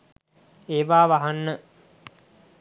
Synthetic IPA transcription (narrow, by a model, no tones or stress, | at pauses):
eːʋaːʋaɦanːə